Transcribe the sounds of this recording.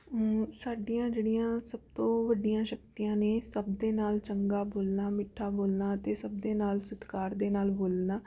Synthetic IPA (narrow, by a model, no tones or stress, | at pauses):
saːɖijãːd͡ʒeːɽijãːsəb̚t̪õːʋəɖijãːʃək̚t̪ijãːneːsəbd̪eːnaːlt͡ʃəŋɡaːboːlnaːmɪʈʰːaːboːlnaːət̪eːsəb̚d̪eːnaːlsət̪kaːɾd̪eːnaːlboːlnaː